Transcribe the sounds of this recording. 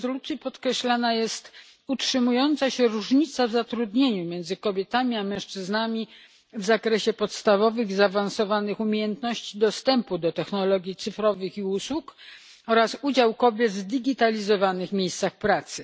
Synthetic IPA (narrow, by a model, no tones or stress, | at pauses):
zɔlut̪sʲjipɔt̪kɾɛɕlanajɛst̪ | utʂɘmujɔnt̪saɕɛɾuʐɲit̪savzat̪ɾud̪ɲeɲumʲjɛnd̪zɘkɔbʲjɛt̪amʲiamɛ̃ʂt͡ʂɘznamʲi | vzakɾɛɕɛpɔt̪st̪avɔvɘxizaːvansɔvanɘxumʲejɛnt̪nɔɕt͡ɕid̪ɔst̪ɛmpud̪ɔt̪ɛxnɔlɔɡʲjit̪sɘfɾɔvɘxiuswuk | ɔɾasud͡ʑawkɔbʲjɛd̪zd̪ɘɡʲit̪alʲizɔvanɘɣmʲjejst̪saxpɾat̪sɘ